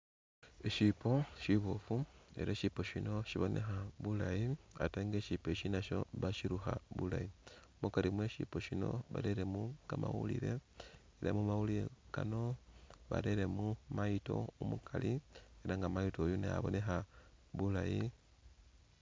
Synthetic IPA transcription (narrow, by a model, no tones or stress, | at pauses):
eʃipo̞ʃiβofue̞̰ɾeʃipo̞ʃino̞ʃiβo̞ne̞xaβulajiateŋɡe̞ʃipe̞ʃinaʃo̞̰βaʃiɾuxa̰βulajiomukalimwe̞ʃḭpo̞ʃino̞̰βa̰ɾeɾe̞mukama̰wṵlḭɾe̞ | eɾemumawuliɾekano̞βa̰ɾeɾe̞mumaito̞̰omukʰalieɾaŋɡamajito̞ːjuneja̰βo̞ne̞xaβulaji